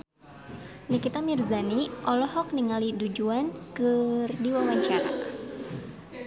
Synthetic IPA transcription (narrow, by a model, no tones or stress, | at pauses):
nikit̪amirzaniʔɔlɔhɔk̚niŋalidud͡ʒuankɨrdiwawaɲt͡ʃaɾa̰